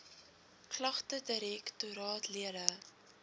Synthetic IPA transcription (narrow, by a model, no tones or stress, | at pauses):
klɐχtədəɾɛktuɾɑːtliəɾə